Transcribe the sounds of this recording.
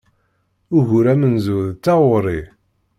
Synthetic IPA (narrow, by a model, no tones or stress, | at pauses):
ʊɣuɾæmənzuðt͡sːɑwʊɾˤi